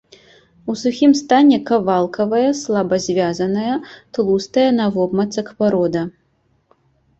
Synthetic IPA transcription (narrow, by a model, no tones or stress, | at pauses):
usuxʲimst̪anʲɛkɐvalˠkɐvɐjɐslˠabɐzʲvʲazɐnɐjɐt̪lˠust̪ɐjɐnɐvɔbmɐt̪sɐkpaɾɔd̪ɐ